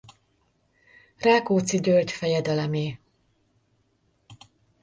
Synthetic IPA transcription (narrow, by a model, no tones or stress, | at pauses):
raːkoːt̪siɟølc̪fɛjɛd̪ɛlɛmeː